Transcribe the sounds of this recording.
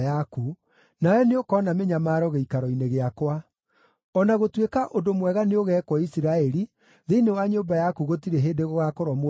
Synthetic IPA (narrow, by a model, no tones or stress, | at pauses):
jaku | najɔneokɔnameɲamaːɾɔɣeikaɾɔineɣeakwa | ɔnaɣotwekaʔodomwɛɣaneoɣɛkwɔisiɾaɛɾi | ðeinewaɲoːbajakuɣotiɾeɦeːdeɣɔɣakoɾɔm